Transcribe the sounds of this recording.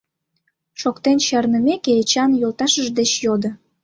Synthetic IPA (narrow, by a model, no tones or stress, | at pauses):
ʃokt̪enɕɑrnəmekeːt͡ɕɑnjolt̪ɑʃəʒd̪et͡ɕjod̪ə̆